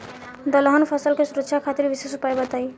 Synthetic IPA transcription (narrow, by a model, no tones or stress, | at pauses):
d̪ʌlʌɦʌnupʰʌsʌlkosuɾʌkt͡ʃʰjakʰat̪iɾbisesupajbʌt̪aj